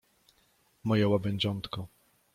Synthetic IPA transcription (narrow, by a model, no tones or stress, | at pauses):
mɔjɛwabɛɲʲd͡ʑɔnt̪kɔ